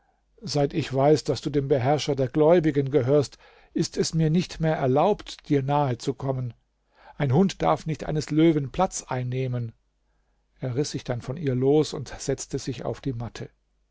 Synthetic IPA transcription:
zaɪtɪçv̥aɪsd̥asd̥uːdeːmbəɦɛɐʃɐdeːɐɡlɔʏbɪɡənɡəɦøːɐst | ʔɪstʰɛsmiːɐnɪçtmeːɐʔɛɐlaʊptd̥iːɐnaːət͡sukʰɔmən | ʔaɪnɦʊntd̥aɐfnɪçtʔa̰ɪnəsløːvənpʰl̥at͡sʔaɪnːeːmən | ʔeːɐʁɪsz̥ɪçd̥anfɔnʔiːɐloːsʊntz̥ɛt͡stəzɪça̰ʊfd̥iːmatʰə

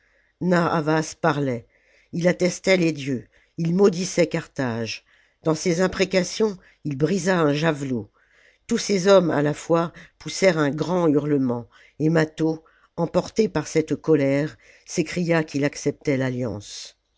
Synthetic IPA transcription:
naa̰vaspaʁlɛ | ilat̪ɛst̪ɛled̪jø | ilmɔd̪isɛkaʁt̪aʒ | d̪ɑ̃sezɛ̃pχekasjɔ̃ | ilbʁizaɛ̃ʒavlo | t̪usezɔma̰lafwapusɛʁɛ̃ɡʁɑ̃yʁləmɑ̃ | emat̪o | ɑ̃pɔʁt̪epaʁsɛt̪kɔlɛʁ | sekχijakʰilaksɛp̚t̪ɛlaljɑ̰̃s

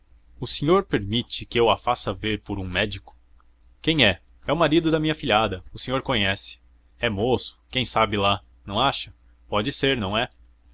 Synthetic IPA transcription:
ʊsẽɲoɾpeɾmit͡ʃɪkɪewafasɐveɾpoɾũmɛd͡ʒikʊ̥ | kẽj̃ɛ | ɛʊmaɾid̪ʊd̪ɐmĩɲɐfiʎʲiad̪ɐʊsẽɲoɾkõɲɛsɪ̥ | ɛmosʊ̥kẽj̃sabɪla | nɐ̃w̃aʃɐ | pɔd͡ʒɪseɾnɐ̃w̃ɛ

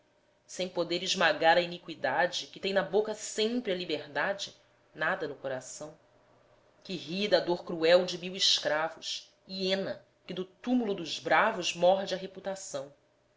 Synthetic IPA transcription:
sẽj̃pod̪eɾiʒmaɡaɾɐinikwid̪ad͡ʒɪkɪt̪ẽj̃nɐbokɐsẽmpɾɪɐlibeɾd̪ad͡ʒɪ | nad̪ɐnʊkoɾasɐ̃w̃ | kɪɦid̪ɐd̪oɾkɾuɛwd͡ʒɪmiwiʃkɾavʊʃ | iẽnɐ | kɪd̪ʊt̪umulʊd̪ʊʒbɾavʊzmɔɦd͡ʒɪɐɦeput̪asɐ̃w̃

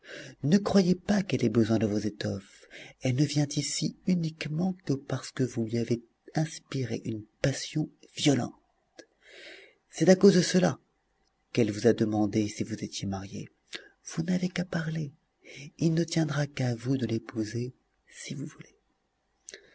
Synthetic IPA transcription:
nəkχwajepakɛlɛbəzwɛ̃d̪əvozet̪ɔfɛlnəvjɛ̃t̪isiynikmɑ̃kəpaʁsə̥kəvulɥiave | ɛ̃spiʁḛʔynpasjɔ̃vjɔlɑ̰̃ | t̪ | sɛt̪akozd̪əsəla | kɛlvuzad̪əmɑ̃d̪esivuzet̪jemaʁjḛ | v̥unavekapaʁle | ilnət̪jɛ̃d̪ʁakavud̪əlepuze | sivuvule

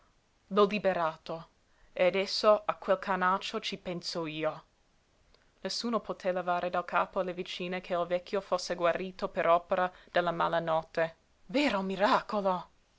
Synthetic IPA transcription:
lolibeɾaːt̪o | ead̪ɛsːoakːwelkʰanat͡ʃːot͡ʃipɛnsoiːo | nesːuːnopʰot̪ʰelavaːɾʔed̪alkʰa̰ːpoalːevit͡ʃiːnekʰeilvɛkʰʲːjofosːeɡwaɾːiːt̪opeɾʔɔːpeɾad̪̥elːama̰ːlanɔt̪ːe | veːɾomiɾaːkolo

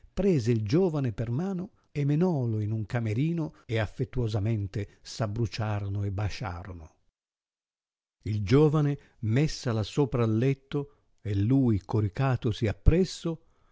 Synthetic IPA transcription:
pɾɛːzeild͡ʒoːvanepermaːno | emenɔloinuŋkameɾiːnoeafːet̪ːuwozamɛnt̪esabːɾut͡ʃaːɾonoebːaʃa̰ːɾono | ild͡ʒoːvane | mesːalasoːpɾaːlːɛt̪ːo | elːuːjkoɾikaːt̪osiapːɾɛsːo

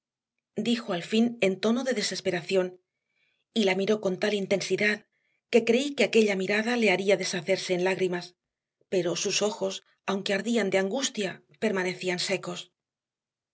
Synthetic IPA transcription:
d̪ixoalfine̞nt̪o̞no̞ðe̞ðe̞se̞spe̞ɾaθjo̞n | ilamiɾo̞ko̞nt̪alint̪e̞nsiðað | ke̞kɾe̞ikeake̞ʎamiɾaðale̞aɾiaðe̞saθe̞ɾse̞ːnlaɣɾimas | pe̞ɾo̞suso̞xo̞s | awŋke̞aɾðiand̪eaŋɡust̪ja | pe̞ɾmane̞θianse̞ko̞s

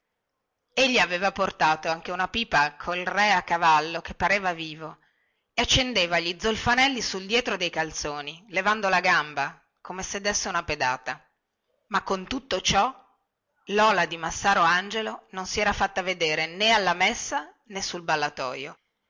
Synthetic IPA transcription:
eʎːiaveːvaport̪aːt̪oaŋk̟eunapiːpakʰolrɛakːavalːok̟epːaɾeːvaviːvo | eat͡ʃːend̪eːvaʎid̪zːolfanɛlːisuld̪jɛːt̪ɾod̪ejkalt̪soːnilevand̪olaɡamba | komesed̪ːesːeunaped̪a̰ːt̪a | makːont̪ut̪ːot͡ʃɔ | lɔːlad̪imasːaːɾoand͡ʒelononsiɛːɾafat̪ːaved̪eːɾenealːamesːa | nesulbalːat̪ɔ̰ːjo̰

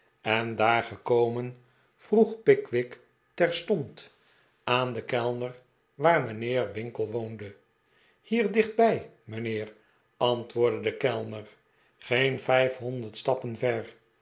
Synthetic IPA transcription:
ɛndaːɹχəkowmən | v̥ruχpɪkʋɪk | tɛɹstɔnt | aːnd̪əkɛlˠnəɹ | ʋaːɹmənɪːɹʋɪŋkəlˠʋowndə | hiːɹdɪχd̚bɛj | mənɪːr | ɑntʋʊːɹdədəkɛlˠnəɹ | χejnfɛjfɦɔnd̪əɹtstɑpənvɛɹ

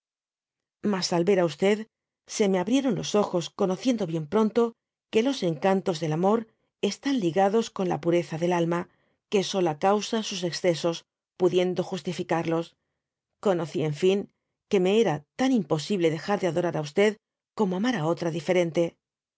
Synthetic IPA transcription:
masalβe̞ɾaust̪e̞ð | se̞me̞aβɾje̞ɾo̞nlo̞so̞xo̞sko̞no̞θje̞nd̪o̞βje̞mpɾo̞nt̪o̞ | ke̞lo̞se̞ŋkant̪o̞zðe̞lamo̞ɾ | e̞st̪anliɣaðo̞sko̞nla̰puɾe̞θaðe̞lalma | ke̞so̞lakawsasuse̞ksθe̞so̞s | puðje̞nd̪o̞xust̪ifikaɾlo̞s | ko̞no̞θie̞ɱfiŋ | ke̞me̞eɾat̪animpo̞siβle̞ðe̞xaɾðe̞aðo̞ɾaɾaust̪e̞ð | ko̞moamaɾao̞t̪ɾaðife̞ɾe̞nt̪e̞

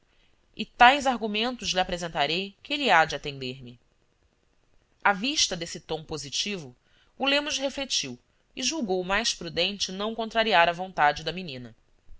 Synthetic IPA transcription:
ɪt̪ajzaɾɡumẽnt̪ʊzliapɾezẽnt̪aɾejkɪeliad͡ʒat̪ẽnd̪eɾmɪ | aviʃt̪ɐd̪esɪt̪õw̃pozit͡ʃivʊ | ulẽmʊʃɦeflet͡ʃiw | ɪʒuwɡowmajʃpɾud̪ẽnt͡ʃɪnɐ̃w̃kõnt̪ɾaɾiaɾɐvõnt̪ad͡ʒɪd̪ɐminĩnɐ

